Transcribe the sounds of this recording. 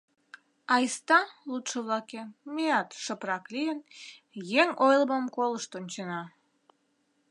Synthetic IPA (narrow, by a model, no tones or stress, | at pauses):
ɑjst̪ɑlut̪ʃə̆βlɑkemeɑt̪ʃəprɑklijən | jeŋojlˠməmkoləʃt̪onʲt͡ɕenɑ